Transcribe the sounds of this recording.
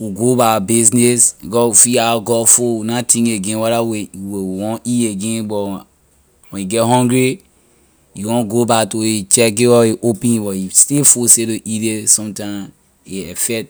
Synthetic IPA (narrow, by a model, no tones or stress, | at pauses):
wiɡobabiznesbikɔwufiaɡɔfowunatĩŋeɡẽnwaɾawewewiwɔ̃nieɡẽnbɔ | wɛ̃juɡɛtɦɔ̃ŋɡɹi | juwɔ̃nɡobatoit͡ʃɛk̚ɡewɔiʔopɛ̃nibɔjistefusetoʔiɾesɔ̃mtãm | eɛfɛt